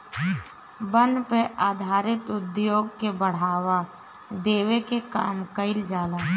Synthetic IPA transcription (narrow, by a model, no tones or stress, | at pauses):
bə̃npeʔaːd̪ʱaːɾɪt̪ʊd̪joːɡkebəɽ̤aːʋa | d̪eːʋekeka̰ːmkəɪld͡ʒaːlaː